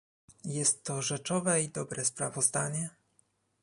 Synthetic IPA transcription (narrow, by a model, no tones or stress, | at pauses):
jɛst̪ːɔʐɛt͡ʂɔvɛid̪ɔbɾɛspɾavɔzd̪aɲɛ